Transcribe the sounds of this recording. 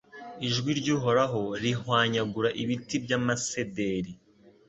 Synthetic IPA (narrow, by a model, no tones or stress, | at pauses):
iʒɡwiɾɟuːɦo̞ɾaɦo̞ɾihwaːɲaɡuɾaʔiβitibɟamasedeɾi